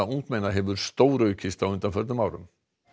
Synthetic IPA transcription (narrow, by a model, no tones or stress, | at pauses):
auŋk̪mɛjnaɦɛvʏɾ̥st̪oːwɾœːɥcʰɪst̪awʏnt̪anfœt̪nʏmaːwɾʏ̰m